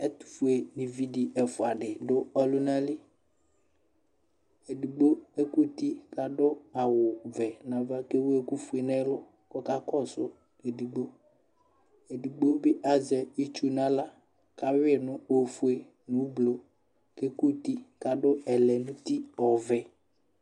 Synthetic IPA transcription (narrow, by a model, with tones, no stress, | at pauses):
ɛ˦t̪u̥˨fu˨e˨nĩ˨vi˦di˨ʔɛ˨fʊ˨a˨ɖɪ˨dʊ˦ɔ˦lʊ˦nã˦lɪ˦ | e˨di˨ɡ͡bo˦e˦ku˦t̪i˦ka˨ɖʊ˦a˨wʊ˨vɛ˨nã˨va˦ke˦wo˦e˦ku˦fu˦e˨nɛ˦lʊ˦ | kɔ˦ka˦kɔ˦˨sʊ˦ | e˨di˨ɡ͡bo˦ | e˨di˨ɡ͡bo˦bɪ˦ʔa˨zɛ˨i˦t͡ʃu˦nã˦la˦ | ka˨wɪ˦˨nʊ̃˦o˨fu˦e˨ | nʊ̃˨˦blo˨ | ke˦ku˦t̪i˦ka˨ɖʊ˦ɛ˨lɛ˨nʊ̃˦t̪i˦ɔ˨vɛ˨